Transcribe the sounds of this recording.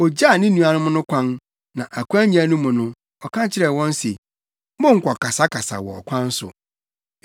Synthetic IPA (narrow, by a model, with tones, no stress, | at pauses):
ɔ˨d͡ʑa˦˨nɪ̃˦nũ˨a˨nʊ̃˦mʊ̃˦nʊ̃˦kʷʰã˦n | nã˨ʔa˨kʷu˦ã˦ɲĩ˦æ˨nʊ̃˦mʊ̃˨nʊ̃˦ | ɔ˨kʰã˦t͡ɕʰɪ˦ɾɛ˨wɔ̃˦n˦se˨ | mʊ̃˦ŋ̩˨kʰʷɔ˨kʰa˨sa˦kʰa˨sa̰˨wɔ̰˨ɔ̰˨kʷʰã˦n̩˦sʊ̰˨